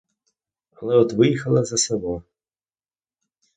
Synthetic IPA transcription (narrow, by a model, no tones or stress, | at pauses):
ɐlˠɛɔt̪ʋɪjixɐlˠɐzɐsɛbɔ